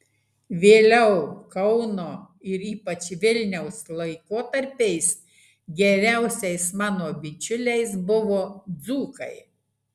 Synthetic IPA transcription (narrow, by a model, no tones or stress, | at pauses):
ʋʲeːlʲɛʊkɒʊnoː | ɪɾiːpɐt͡ʃʋʲɪlʲnʲɛʊslˠɐɪkoːt̪ɐɾʲpʲɛɪs | ɡʲɛɾʲæˑʊsʲɛɪsmɑːnoːbʲɪt͡ʃʲʊlʲɛɪs̬bʊʋoːd̪zuːkɐɪ